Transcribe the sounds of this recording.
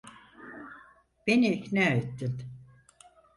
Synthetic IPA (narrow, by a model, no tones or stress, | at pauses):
b̥eniːknæːet̪ːin